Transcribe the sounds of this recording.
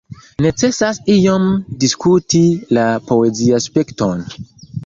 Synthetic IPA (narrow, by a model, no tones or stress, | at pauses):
ne̞t͡se̞sasijomdiskutilapo̞eziaspekton